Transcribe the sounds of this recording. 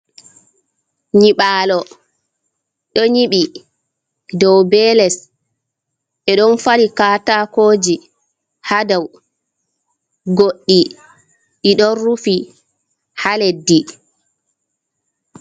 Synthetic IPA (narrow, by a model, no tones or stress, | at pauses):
ɲiɓaːlɔ | ɗɔɲiɓi | dɔwbɛːlɛs | ʔɛɗɔnfaɾikaːtakoːd͡ʒi | hadaw | ɡoɗːi | ɗiɗɔnːufi | haledːi